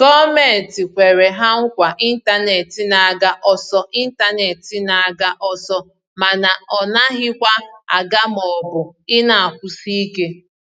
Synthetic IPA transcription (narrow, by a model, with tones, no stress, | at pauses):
ɡɔ˦me˦˨n̩˨tɪ˨kʷe˨ɾe˨ɦa˦ŋ̩˦kʷa˨ʔi˦n̩˦ta˦ne˨tɪ˨na˨a˨ɡa˦ʔɔ˨sɔ˦ʔi˦n̩˦ta˦ne˨tɪ˨na˨a˨ɡa˦ʔɔ˦sɔ˦ | ma˨na˨ɔ˨na˦ɦɪ˦kʷa˦a˨ɡa˦mɔ˨bʊ˨ɪ˦na˨a˨kʷʊ˦si˦i˦ke˦